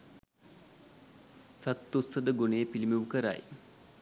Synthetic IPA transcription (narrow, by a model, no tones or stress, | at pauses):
sat̪ːusəd̪əɡonejəpilimeʋukəɾa̰j